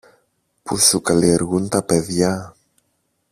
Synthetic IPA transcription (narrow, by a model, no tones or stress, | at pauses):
pusukalieɾɣunt̪apeðja